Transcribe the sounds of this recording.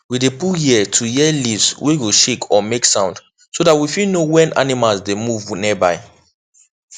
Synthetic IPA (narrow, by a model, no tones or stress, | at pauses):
widepujiɛtʰujɛlivzwiwiʃekʰɔmeksãʊ̃nd | sodat̚wifilnowɛ̃nʔa̰nimalzdemuvnibaɪ